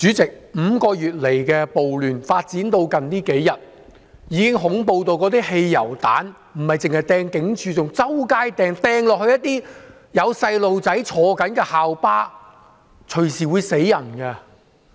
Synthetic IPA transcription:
t͡syː˨˥t͡sɪ˨k̚m̩˨˧kɔː˧jyː˨t̚le˨˩jkɛː˧po˨wlyː˨nfaː˧t̚t͡siː˨˥nt̪o˧wkɐ˨nt̪iː˥ke˨˥jːɐ˨t̚ | jiː˨˥kɪ˥ŋɦʊ˨˥ŋpo˧wt̪o˧wkɔː˨˥t̪̬iː˥he˧jːɐ˨˩wt̪a̰ː˨˥n | m̩˨˩hɐ˨jt͡sɪ˨ŋhɐ˨jt̪ɛː˧ŋkɪ˨˥ŋt͡ʃʰyː˨˧t͡sʊ˨ŋt͡sɐ˥wkaː˥jt̪ɛː˧ŋt̪ɛː˧ŋlɔː˨k̚hɵ˧jɐ˥t̚t̪iː˥ | jɐ˨˧wsɐ˧jlo˨wt͡sɐ˨˥jt͡ʃʰɔː˨˧kɐ˨˥nkɛː˧haː˨wpaː˥ | t͡ʃʰɵ˨˩ɥsiː˨˩wuː˨˧jse˨˥jjɐ˨˩nkɐ˧

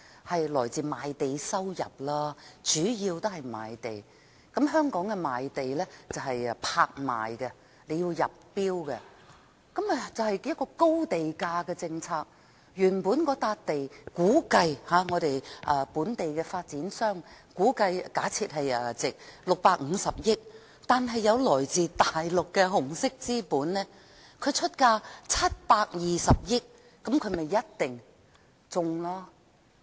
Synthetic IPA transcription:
hɐ˨jlɔː˨˩jt͡siː˨maː˨jt̪e˨jsɐ˥wjɐ˨˩p̚laː˥t͡ʃyː˨˥jiː˧wt̪o˥hɐ˨jma̰ː˨˧jt̪e˨j | kɐ˨˥mɦœː˥ŋkɔː˨˥ŋkɛ˧maː˨jt̪e˨jlɛ˥t͡sɐ˨˩wɦɐ˨jpʰaː˧k̚ma̰ː˨jɡɛ˧ | le˨˧ji˧wjɐ̰˨p̚ːiː˥wkɛ˧ | kɐ˨˥m˧t͡sɐ˨whɐ˨jjɐ˥kːɔː˧ko˥wt̪e˨jkaː˧kɛː˧t͡sɪ˧ŋt͡sʰaː˧k̚ | jyː˨˩npuː˨˥nkɔː˧t̪aː˧t̚t̪e˨jkuː˨˥kɐ˧jhaː˨˧ŋɔː˨˧ɾe˨jʔɐː˧puː˨˥nt̪e˨jkɛː˧faː˧t̚t͡siː˨˥nsœː˥ŋkuː˨˥kɐ˧jkaː˨˥t͡sʰiː˧t̚ɦɐ˨jɛ˧˩t͡sɪ˨k̚lʊ˨k̚paː˧k̚ŋ̩˨˧sɐ˨p̚jɪ˥k̚ | t̪aː˨nɦɐ˨jːɐ˨˧wlɔː˨˩jt͡siː˨t̪aː˨jlʊ˨kːɛː˧ɦʊ˨˩ŋsɪ˥k̚t͡siː˥puː˨˥nnɛː˥ | kʰɵ˨˧ɥt͡ʃʰɵ˥t̚kaː˧t͡sʰɐ˥t̚paː˧k̚jiː˨˩sɐ˨p̚jɪ˥k̚ː | ɐ˨˥mkʰɵ˨˧ɥme˨jːɐ˥t̚t̪ɪ˨ŋ | t͡sʊ˨ŋlaː˥

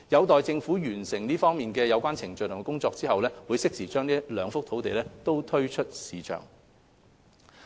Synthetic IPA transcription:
jɐ˨˧wt̪ɔː˨jt͡sɪ˧ŋfuː˨˥jyː˨˩nsɪ˨˩ŋniː˥fɔː˥ŋmiː˨nkɛː˧jɐ˨˧wkʷaː˥nt͡sʰɪ˨˩ŋt͡ʃɵ˨ɥjt̪ʰʊ˨˩ŋɛ˥kʊ˥ŋt͡sɔː˧k̚t͡siː˥hɐ˨wlɛː˥wuː˨˧jsɪ˥k̚siː˨˩t͡ʃœː˥ŋniː˥lœː˨˧ŋfʊ˥k̚t̪ʰo˨˥wt̪e˨jlɛː˥t̪o˥wt̪ʰɵ˥ɥt͡ʃʰɵ˥t̚siː˨t͡ʃʰœ̰ː˨˩ŋ

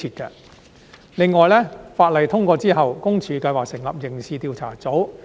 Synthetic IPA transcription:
iː˧t̚kɐ̰ː˧ | lɪ˨˧ŋːɔː˨˩jlɛː˥faː˧t̚lɐ˨˩jt̪ʰʊ˥ŋkʷɔː˧t͡siː˥ɦɐ˨wkʊ˥ŋt͡ʃʰyː˨˧kɐ˧jwaː˨k̚sɪ˨˩ŋlɐ̰˨p̚jɪ˨˩ŋsiː˨˧t̪iː˧wt͡sʰa̰ː˨˩t͡so˨˥w

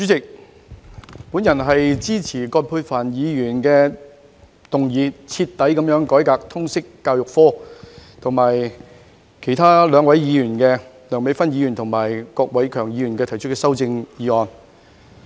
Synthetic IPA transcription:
t͡sy˨˥t͡sɪ˨k̚ | puː˨˥njɐ˨˩nɦɐ˨jt͡siː˥t͡sʰiː˨˩kɔː˧t̚pʰu˧faː˨˩njiː˨˧jyː˨˩nkɛː˧ | t̪ʊ˨ŋjiː˨˧t͡sʰiː˧t̪ːɐ˨˥jkɐ˨˥mjœː˨˥ŋkɔː˨˥jkaː˧k̚t̪ʰʊ˥ŋsɪ˥kːaː˧wjʊ˨k̚fɔː˥t̪ʰʊ˨˩ŋmaː˨˩j | kʰe˨˩jt̪ʰaː˥lœː˨˧ŋwɐ˨˥jjiː˨˧jyː˨˩nkɛː˧lœː˨˩ŋwe˨˥jfɐ˥njiː˨˧jyː˨˩nt̪ʰʊ˨˩ŋmaː˨˩jkɔː˧k̚wɐ˨˥jkʰœː˨˩ŋjiː˨˧jyː˨˩nkɛː˧t̪ʰjt͡ʃʰɵ˥t̚kɛː˧sɐ˥wt͡sɪ˧ŋjiː˨˧˥ɔː˨˧n

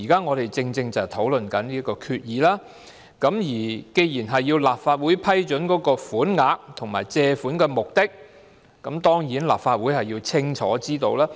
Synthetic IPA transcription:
iː˨˩kaː˥ŋɔː˨˧ɾe˨jt͡sɪ˧ŋt͡sɪ˧ŋt͡sɐ˨˩wt̪ʰo˨˥wlɵ˨nkɐ˨˥nliː˥kɔː˧kʰyː˧t̚jiː˨˧laː˥ | kɐ˨˥mjiː˨˩ke˧jjiː˨˩nɦɐ˨jːiː˧wlaː˨p̚faː˧t̚wuː˨˥jpʰɐ˥jt͡ʃɵ˨˥nkɔː˨˥kɔː˧fuː˨˥nŋaː˧k̚t̪ʰʊ˨˩ŋma̰ː˨˩jt͡sɛː˧fuː˨˥nkɛ˧mʊ˨k̚t̪ɪ˥k̚ | kɐ˨˥mt̪ɔː˥ŋjiː˨˥nla̰ː˨pfaː˧t̚wuː˨˥jhɐ˨jiː˧wt͡sʰɪ˥ŋt͡ʃʰɔ̰ː˨˥t͡siː˥t̪o˧wlaː˥

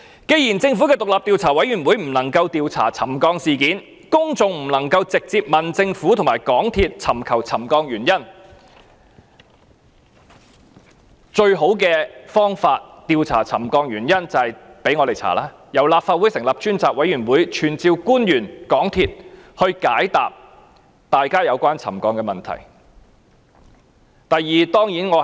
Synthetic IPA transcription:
ke˨˧jiː˨˩nt͡sɪ˧ŋfu˨˥kɛː˧t̪ʊ˨k̚laː˨p̚t̪iː˧wt͡sʰaː˨˩wɐ˨˥jɥyː˨˩nwuː˨˥jm̩˨˩nɐ˨˩ŋkɐ˧wt̪iː˧wt͡sʰa̰ː˨˩t͡sʰɐ˨˩mkɔː˧ŋsiː˨kiː˨˥n | kʊ˥ŋt͡sʊ˨ŋm̩˨˩nɐ˨˩ŋkɐ˧wt͡sɪ˨k̚t͡siː˧p̚mɐ˨˩nt͡sɪ˧ŋfuː˨˥t̪ʰʊ˨˩ŋmaː˨˩jkɔː˨˥ŋt̪ʰiː˨t̚t͡sʰɐ˨˩mkʰɐ˨˩wt͡sʰɐ˨˩mkɔː˧ŋjyː˨˩njɐ˥n | t͡ʃɵ˧ɥɦo˨˥wk̬ɛː˧fɔː˥ŋfaː˧t̚t̪iː˧wt͡sʰa̰ː˨˩t͡sʰɐ˨˩mkɔː˧ŋjyː˨˩njɐ˥nt͡sɐ˨hɐ˨jpe˨˥jŋɔː˨˧t̪e˨˩jt͡sʰa̰ː˨˩laː˥ | jɐ˨˩wlaː˧p̚faː˧t̚wuː˨˥jsɪ˨˩ŋlɐ˨p̚t͡ʃyː˥nt͡saː˨k̚wɐ˨˥jyː˨˩nwuː˨˥jt͡ʃʰyː˨˩nt͡siː˧wkuː˥njyː˨˩nkɔː˨˥ŋt̪ʰiː˧t̚hɵ˧ɥkaː˨˥jt̪aː˨p̚ | t̪aː˨jkaː˥jɐ˨˧wkʷaː˥nt͡sʰɐ˨˩mkɔː˧ŋkɛː˧mɐ˨nt̪ʰɐ̰˨˩j | t̪ɐ˨jːiː˨t̪ɔː˥ŋjiː˨˥nŋɔː˨˧

